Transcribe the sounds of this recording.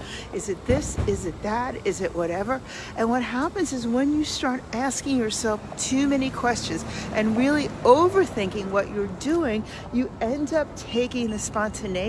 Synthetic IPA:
ɨzɨt̪̚ðɪsɪzɨt̪̚ðɨɾɪzɨʔwʌɾɛvə˞ | ʔɨ̃nwʌt̚ɦæpɨ̃nzɨzwə̃njɨstɑɹɾæskɪ̃ŋjə˞sɛlˠftʰʉmɛñikʰw̥ɛst͡ʃɨ̃nzʔɨ̃nɹɪlˠioʊvə˞θɪ̃ŋkɪ̃ŋwʌt͡ʃə˞dʉɪ̃ŋ | jɨɛ̃ndʌp̚tʰeɪkɪ̃ŋðɨspɑ̃ntʰɨneɪ

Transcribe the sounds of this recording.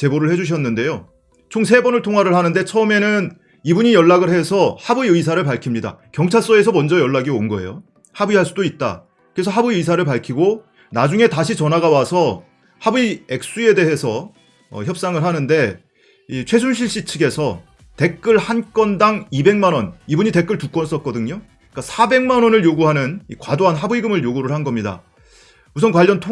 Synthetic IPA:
t͡ɕe̞boɾɯɭhe̞d͡ʑuɕ̬ʰʌnːɯnde̞jo | t͡ɕʰoŋs̬ʰe̞bʌnɯɭtʰoŋɦwaɾɯɭhanɯnde̞t͡ɕʰʌme̞nɯn | ibuɲijʌɭːaɡɯɭhe̞sʰʌhabuiɯis̬ʰaɾɯɭpaɭkʰimɲida̰kjʌŋt͡ɕʰaɭs͈ʌe̞sʰʌmʌnd͡ʑʌjʌɭːaɡionɡʌejo | habuiɦaɭs͈udoit̚t͈a̰ | kɯɾe̞sʰʌɦabuiɯisʰaɾɯɭpaɭkʰiɡo | nad͡ʑuŋe̞taɕʰit͡ɕʌnɦaɡawasʰʌ | habuie̞k̚s͈ue̞de̞ɦe̞sʰʌ | ʌ̰çjʌp̚s͈aŋɯɭɦanɯnde̞ | it͡ɕʰwe̞s̬ʰunɕʰiɭɕ͈it͡ɕʰɯɡe̞sʰʌ | te̞kk͈ɯɭhank͈ʌndaŋibe̞ŋmanwʌnibuɲite̞k͈ɯɭtuk͈wʌns͈ʌt̚k͈ʌdɯɲo | k͈asʰabe̞ŋmanwʌnɯɭjoɡuɦanɯnikwadoɦanɦabuiɡɯmɯɭjoɡuɾɯɭɦanɡʌmɲida̰ | musʰʌnkwaʎːʌntʰo

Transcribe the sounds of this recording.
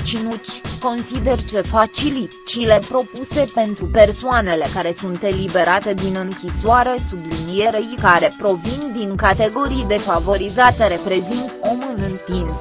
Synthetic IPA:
t͡ʃinut͡ʃʲko̞nsid̪e̞rt͡ʃe̞fat͡ʃilit̪t͡ʃile̞pɾo̞puse̞pe̞nt̪ɾupe̞rsoane̞le̞kaɾe̞sunt̪e̞libe̞ɾat̪e̞d̪inɨŋkʲisoaɾe̞sublinie̞ɾejkaɾe̞pɾo̞vind̪iŋkat̪e̞ɡo̞ɾijd̪e̞favo̞ɾizat̪eɾe̞pɾe̞zint̪o̞mɨnɨnt̪ins

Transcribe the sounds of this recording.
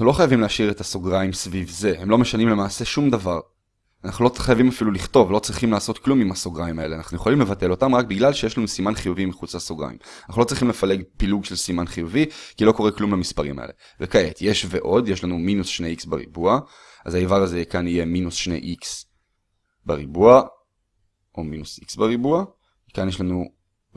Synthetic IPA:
naχnulo̞χajavimleaʃiʁetaso̞ɡʁaimsvivze̞hemlo̞me̞ʃanimle̞maːse̞ʃumdavaʁ | anaχnuloχajavimafiluliχto̞vlo̞t͡sʁiχimlaːso̞tklumimaso̞ɡʁaimae̞leanaχnuje̞χolimlevate̞lo̞tamʁakbiɡlalʃejeʃlanusimanχijuvimiχut͡saso̞ɡʁa̰ḭmanaχult͡sʁiχimlefale̞ɡpiluɡʃelsimanχijuvikilo̞ko̞eklumlamispaʁḭma̰ḛle̞ | vekae̞tje̞ʃve̞ʔo̞dje̞ʃlanuminusʃneiksbeʁḭbua | azaivaʁazekanije̞minusʃnḛjʔiks | beʁibua | ʔo̞minusiksbeʁibua | kanjeʃlanu

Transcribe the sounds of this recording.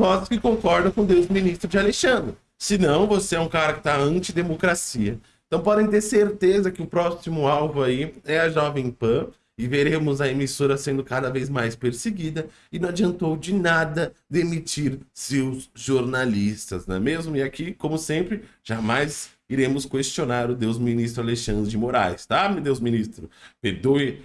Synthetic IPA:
pɔzʊskɪkõkɔɾd̪ɐ̃w̃kõd̪ewzminist̪ɾʊd͡ʒɪaleʃɐ̃nd̪ɾɪ | sɪnɐ̃w̃voseɛũkaɾɐkɪ̥t̪aɐ̃nt͡ʃid̪emokɾasiɐẽt̪ɐ̃w̃pɔd̪ẽj̃t̪̬eɾseɾt̪ezɐkɪʊpɾɔsimʊawvʊaiɛɐʒɔvẽj̃pɐ̃ | ɪveɾẽmʊzɐemisoɾɐsẽnd̪ʊkad̪ɐvejzmajspeɾseɡid̪ɐ | ɪnɐ̃w̃ad͡ʒiɐ̃nt̪owd͡ʒɪnad̪ɐd̪emit͡ʃiɾsewzʒoɾnalist̪ɐ̰znɛ̰̃mezmʊɪakikõmʊsẽmpɾɪʒ̥amajz | iɾẽmʊskwest͡ʃionaɾʊd̪ewzminis̬t̪ɾʊaleʃɐ̃nd̪ɾɪd͡ʒɪmoɾa̰jst̪amɪd̪ewzmĩnist̪ɾʊpeɾd̪oɪ

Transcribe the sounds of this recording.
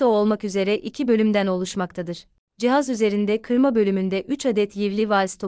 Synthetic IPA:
oolˠmakyze̞ɾɛʔicʰibø̞lʲymd̪æno̞lˠuʃmakt̪ʰad̪ɯɾ̥ | d͡ʒiɦazyze̞ɾind̪ɛkʰɯɾmabø̞lʲymynd̪ɛʔyt͡ʃad̪ɛt̪jivlʲivalʲst̪ʰo

